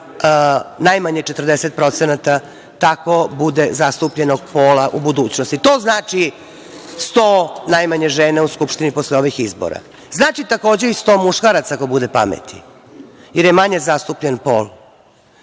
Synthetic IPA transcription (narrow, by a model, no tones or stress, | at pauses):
najmaɲet͡ʃet̪ərd̪eset̪̚pɾo̞t̪senat̪a | t̪ako̞bud̪ezast̪upʎe̞no̞ɡ̚po̞ːlaʔubud̪uːt͡ɕno̞st̪it̪o̞ːznaːt͡ʂi | st̪oːnajmaɲeʒeːneuskupʃt̪inipo̞sleo̞ʋixizbo̰ɾa̰ | znaːt͡ʃit̪ako̞ːd͡ʑeist̪o̞ːmuʃkaɾat̪sakobud̪e̞pa̰mḛt̪i | jeɾjemaɲe̞zast̪upʎenpo̰ːl